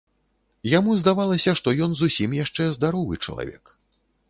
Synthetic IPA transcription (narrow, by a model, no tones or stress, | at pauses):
jamuzd̪avalˠɐsʲɐʂt̪ɔjɔnzusʲimjaʂt͡ʂɛzd̪aɾɔvɨ̰t͡ʂɐ̰lˠa̰vʲɛ̰k